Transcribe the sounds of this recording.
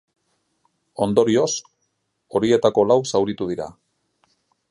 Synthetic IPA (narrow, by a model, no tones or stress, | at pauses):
o̞nd̪o̞ɾio̞s | o̞ɾie̞t̪ako̞lawsawɾit̪uð̞iɾa̰